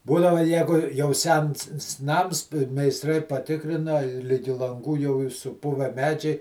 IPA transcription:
ˈbuːdɐʋɐ ˈjæːɡʊ jɛʊ ˈsʲɛns s ˈnɐms mʲɛɪsˈtrɐɪ pɐˈtʲɪkrʲɪnɐ ɪ ˈlʲɪɡʲɪ lˠɐŋˈɡuː jɛʊ ˈiːr sʊˈpʊʋʲɛ ˈmʲæːd͡ʒʲɛɪ

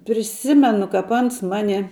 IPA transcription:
pʲrʲɪˈsʲɪmʲɛnʊ kɐp ˈɐns ˈmɑːnʲɪ

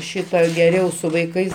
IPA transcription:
ˈʃʲɪtɑː ɡʲɛˈrʲɛʊ sʊ ʋɐɪˈkɐɪs

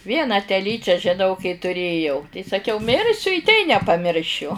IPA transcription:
ˈʋʲiɛnɑː tʲɛˈlʲiːt͡ʃʲæː ʒʲɪˈnɐʊ kɐɪ tʊˈrʲeːjɛʊ tɐɪ sɐˈkʲɛʊ ˈmʲɪrʲsʲʊ ɪ tʲɛɪ nʲɛpɐˈmʲɪrʲʃʲʊ

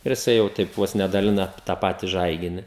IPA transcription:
ɪr jɪˈsɐɪ jɛʊ ˈtʲɛɪp ˈʋoːs nʲɛ dɐˈlʲɪnɐ tɑː ˈpɑːtʲɪ ˈʒɐɪɡʲɪnʲɪ

